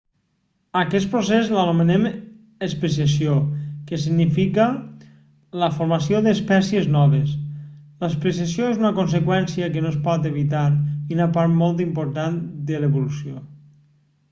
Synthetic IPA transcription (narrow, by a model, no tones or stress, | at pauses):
akɛst̪̚pɾosezlanumenem | espes̬iasjokesiɡnifikə | ləfoɾmasioðeːspɛsjeznɔβesləspɾesasjoezunəkons̬ekwɛnsiəkenoespɔt̪eβ̞it̪aɾiunapaɾt̪mɔlˠt̪̬impoɾt̪and̪eleβolusjo